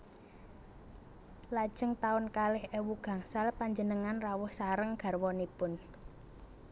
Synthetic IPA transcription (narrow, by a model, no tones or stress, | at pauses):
lad̥ʒ̥əŋt̪aʊnkalɪhewuɡ̥a̤ŋsalpaɲd͡ʒənəŋanrawʊhsaɾəŋɡ̥a̤rwɔnipʊn